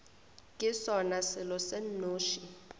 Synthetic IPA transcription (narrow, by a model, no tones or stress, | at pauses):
kʼɪsɔnasɪlɔsenːoːʃi